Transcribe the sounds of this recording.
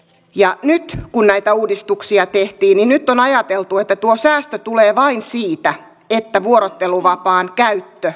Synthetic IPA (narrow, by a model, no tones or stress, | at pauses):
jɑnyt̪kunnæjt̪æuːdist̪uksiɑt̪eht̪iːnninnyt̪ːonɑjɑt̪elt̪uet̪ːæt̪uosæːst̪øt̪uleːʋɑinsiːt̪æ | et̪ːæʋuoɾot̪ːeluʋɑpɑːnkæyt̪ːø